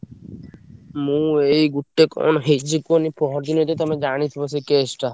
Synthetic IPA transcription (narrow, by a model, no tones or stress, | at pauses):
mũejɡuʈːekɔ̰nɦed͡ʒikonipɾɔɦɔɾd̪inɔt̪et̪amed͡ʒañit̪ʰibasikesʈa